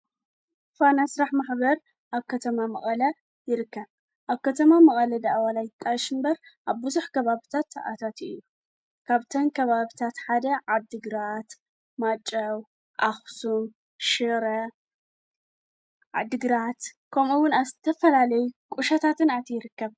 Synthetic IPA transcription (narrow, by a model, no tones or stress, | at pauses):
fanasɾaħmaħbɐɾ | ʔaβkʰɐt̪ʰɐmamɐ̰χʼɐlɐ | jɪɾɨkːɐβ | ʔaβkʰɐt̪ʰɐmamɐkʼɐlɐd̪aʔawalajɪt̪ʼːaʃɨmbɐɾʔaβːɨzuħkʰɐβaβit̪ʰat̪ːa̰ʔa̰t̪ʰat̪ɨjːu | kʰaβt̪ʰɐnkʰɐβaβit̪ʰat̪ħad̪ɐʕad̪ːɨɡɾat̪ | mat͡ʃʼːɐw | ʔaxsum | ʃɨɾɐ | ʕa̰d̪ɨɡɾat̪kʰɐmuwʊnazɨt̪ʰɐfɐlalɐjukʼuʃɐt̪ʰat̪ʰɨnat̪ʰjɪɾɨkːɐβ